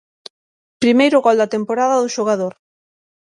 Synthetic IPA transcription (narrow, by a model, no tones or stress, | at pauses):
pɾimejɾʊɣɔld̪ɐt̪empoɾaðɐðʊʃoɣ̞aðoɾ